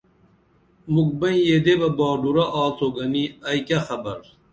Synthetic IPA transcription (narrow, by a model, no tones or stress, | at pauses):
muk̚bɐ̃njeːd̪ebɐbaːɖuɾɐʔaːt͡sʰoɡɐniɐjkɐxɐbɐɾ